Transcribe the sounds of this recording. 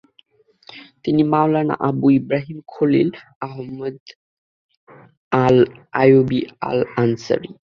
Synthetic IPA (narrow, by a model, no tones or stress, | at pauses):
t̪inimawlana̰ʔabuibɾaɦimkʰolḭl | aɦmːod̪ | alajobia̰lansa̰ɾi